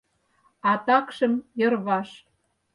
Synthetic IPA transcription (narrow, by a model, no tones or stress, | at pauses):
ɑt̪ɑkʃə̆mjɤ̆rβɑʃ